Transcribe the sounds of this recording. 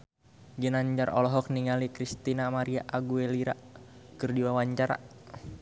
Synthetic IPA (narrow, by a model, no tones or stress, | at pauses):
ɡənaɲd͡ʒarʔɔ̰lɔɦɔk̚niŋalikɾist̪inamaɾiaʔaɡueliɾa̰kɨrdiwawaɲt͡ʃaɾa̰